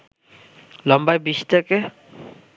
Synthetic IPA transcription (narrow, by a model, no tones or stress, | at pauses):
lɔmbajbist̪ake